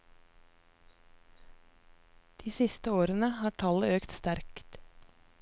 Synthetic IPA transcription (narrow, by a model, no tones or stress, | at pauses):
d̪̥iːsɪst̪əoːɾənəhɑːʈʰɑləøːkt̪st̪æɾkt̪